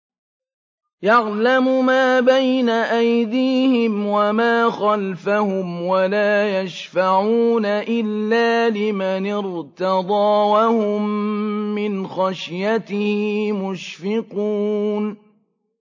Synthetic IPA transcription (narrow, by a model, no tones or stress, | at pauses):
jɑɣlamʊmaːbajnaʔajd̪iːhɪmwamaːxalfahʊmwalaːjaʃfaʕuːnaʔɪlːaːlɪmanɪɾt̪ɑd̪ˤɑːwahʊmː | ɪnxaʃjat̪ɪhiimʊʃfɪquːn